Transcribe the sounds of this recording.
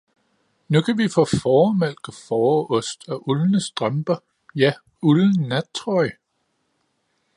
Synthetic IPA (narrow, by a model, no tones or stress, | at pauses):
nukʰæʋifɔːfɒːmel̰ɡ̥əfɒːɔ̽sd̥æʔulnəsd̥ʁɑmb̥ɐ | jæ | uln̩nːæ̥t͡sʰʁɒɪ